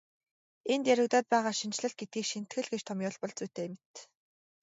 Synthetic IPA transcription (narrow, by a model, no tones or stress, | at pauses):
ent̪jæɾʲʊ̆ɣt̪ɔːt̪̚pæːʁaːʃint͡ɕɮə̆ɬt̪̚ɡet̪̚ɡiːkʃin̥t̪xɘ̆ɮɡet͡ɕt̪ʰɔmjʊːɮpɔɮt͡suːt̪eːmɘ̆t̪